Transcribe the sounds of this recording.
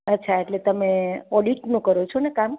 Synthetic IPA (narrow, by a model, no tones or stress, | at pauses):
ətːt͡ʃʰaeʈlet̪əmeɔɖiʈnũkəɾot͡ʃʰonekam